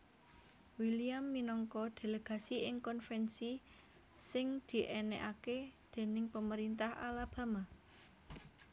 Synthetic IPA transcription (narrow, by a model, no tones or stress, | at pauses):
wiliamːinɔŋkɔd̪̥e̤ləɡ̥a̤siɪŋkɔnfɛnsi | sɪŋd̪̥i̤ʔɛnɛʔaked̪̥e̤nɪŋpəməɾint̪aha̰lab̥a̤ma